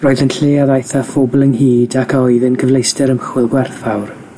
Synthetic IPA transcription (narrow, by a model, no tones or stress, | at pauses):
roːɨðənɬeːaðajθafobʊlˠənhiːdakʰɔɨðənkʰəvlˠejstəɾəmχwɪlˠɡwɛrθfawr